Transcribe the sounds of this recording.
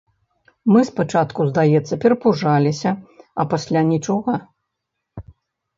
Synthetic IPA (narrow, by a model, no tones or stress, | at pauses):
mɨspat͡ʂat̪kuzd̪ajɛt̪sːɐpʲɛɾɐpuʐalʲisʲɐɐpasʲlʲanʲit͡ʂɔɣɐ